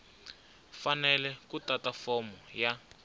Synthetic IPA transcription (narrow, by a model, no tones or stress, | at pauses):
fanɛlɛkutatafɔmɔja